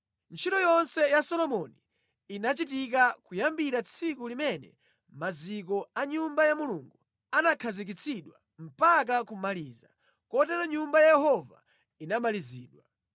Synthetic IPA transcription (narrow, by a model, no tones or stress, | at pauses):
nt͡ʃʰitɔjɔnsɛjasɔlɔmɔni | inat͡ʃitik̬akujambiɾat͡sʰikulimɛnɛ̰ | mazik̬ɔaɲumbajamuluŋɡu | anakʰazik̬it͡sʰiɗwa̰ | m̩pak̬akumaliːza̰ | kɔtɛɾɔɲumbajajɛɦɔva̰ | inamaliziːɗwa